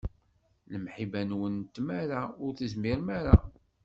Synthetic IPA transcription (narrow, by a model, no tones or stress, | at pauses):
ləmħibænwənt̪ːmæɾaʊɾθəzmiɾmæɾa